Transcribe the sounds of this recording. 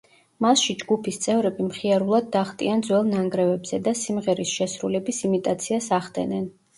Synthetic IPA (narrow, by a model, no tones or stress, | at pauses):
masʃid͡ʒɡupʰist̪sʼɛvɾɛbimχiaɾulˠad̪̚ːaχt̪ʼiand̪zwɛlˠnaŋɡɾɛvɛbz̥ɛd̪asimʁɛɾisʃɛsɾulɛbisimit̪ʼat̪sʰiasaχd̪ɛ̰nɛn